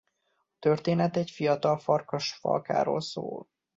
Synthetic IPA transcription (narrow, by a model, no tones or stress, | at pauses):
ɒt̪ørt̪eːnɛt̪ɛcfijɒt̪ɒlfɒrkɒʃfɒ̰lka̰ːɾo̰ːlso̰ːl